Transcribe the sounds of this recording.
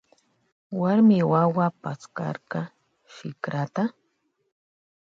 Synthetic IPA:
waɾmɪwawapat͡skɑ̰ɾɢɑ | ʃɪkɾat̪a

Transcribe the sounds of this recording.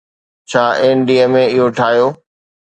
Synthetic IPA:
t͡ɕʰaːeːnɖiəmẽɪɦoʈʰaːɦijoː

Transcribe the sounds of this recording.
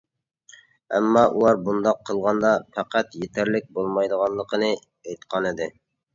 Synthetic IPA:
ɛ̰mːɑʔulˠɑɾbund̪ɑqʰːəlˠʁɑnd̪ɑfʰæqæt̪jet̪ʰæɾlɪk̚ʲbolˠmɑjd̪əʁɑnlˠːəqʰənɨ | ejt̪qʰɑnɪd̪ɪ

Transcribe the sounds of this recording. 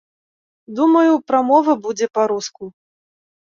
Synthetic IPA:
d̪umɐjupɾamɔvɐbud͡zʲɛpaɾusku

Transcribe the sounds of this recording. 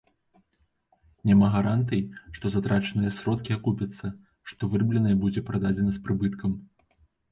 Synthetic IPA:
nʲamaɣaɾant̪ɐjʂt̪ɔzat̪ɾat͡ʂɐnɨjɐsɾɔt̪kʲiakupʲɐt̪sːɐ | ʂt̪ɔvɨrblʲɛnɐjbud͡zʲɛpɾad̪ad͡zʲɛnɐspɾɨbɨt̪kʰɐm

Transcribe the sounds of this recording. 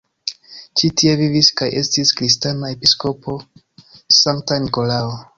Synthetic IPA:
t͡ʃitie̞viviskajʔe̞stiskɾistanae̞pisko̞po̞ | saŋk̚taniko̞lao

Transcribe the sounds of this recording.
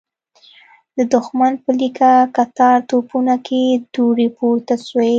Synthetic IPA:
d̪əd̪ʊxmanpəlikakat̪ɑɾt̪opunakʰed̪uɽepoɾt̪aswe

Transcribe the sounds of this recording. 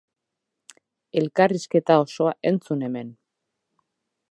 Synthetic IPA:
e̞lkariske̞t̪ao̞so̞aʔe̞nt͡sune̞me̞n

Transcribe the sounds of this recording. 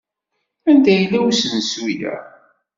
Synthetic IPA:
ænd̪æjəlːæwæsənsujæ̰

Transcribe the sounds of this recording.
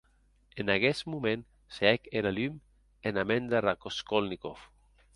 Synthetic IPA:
enaɣɛsmumẽn | sɛkeɾalym | enamend̪erakoskolnikof

